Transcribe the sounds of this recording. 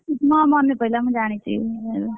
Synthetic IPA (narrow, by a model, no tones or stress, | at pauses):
mʌmʌnːepʌɦilamãd͡zañet͡sʰḭe